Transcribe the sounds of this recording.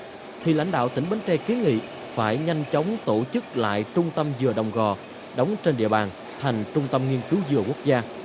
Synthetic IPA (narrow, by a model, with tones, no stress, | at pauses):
t̪ʰi˨˩la̰˧˥jŋ̟ɗa̰ː˧˨wt̪ï˧˩ŋ̟ɓə˨˦nt͡ɕɛ˧ke˨˦ŋḭ˧˨ | faː˧˩jɲa˧jŋ̟t͡ɕə˨˦wŋ͡mt̪o˧˩t͡ɕɨ˦˥k̚la̰ː˧˨jt͡ɕʊ˧ŋ͡mt̪ə˧mzɨ˨˩əɗə˨˩wŋ͡mɣɔ˨˩ | ɗə˨˦wŋ͡mt͡ɕe˧nɗḭ˧əɓaː˨˩n | t̪ʰa˨˩jŋ̟t͡ɕʊ˧ŋ͡mt̪ə˧mŋi˧ənkɨ˨˦wzɨ˨˩əku˦˥ək̚zaː˧